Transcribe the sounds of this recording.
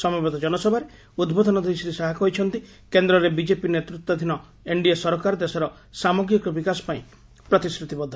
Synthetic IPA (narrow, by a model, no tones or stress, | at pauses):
sɔmɔbɔt̪ɔd͡ʒɔnɔsɔbʱaɾe | ud̪bod̪ʱɔnɔd̪ʱesit̪isaɦakɔɦit͡ʃʰɔnt̪i | kend̪ɾɔɾebid͡ʒepinet̪ɾut̪ːɔd̪ʱinɔ | eɳɖiesɔɾɔkaɾɔd̪esɔɾɔ | samɔɡɾikɔbikasɔ̥paĩ | pɾɔt̪iskɾut̪ibɔd̪ʱːɔ